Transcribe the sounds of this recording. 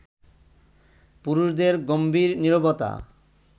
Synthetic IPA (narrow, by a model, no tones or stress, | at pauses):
puɾuʃd̪eɾɡombiɾniɾobot̪a̰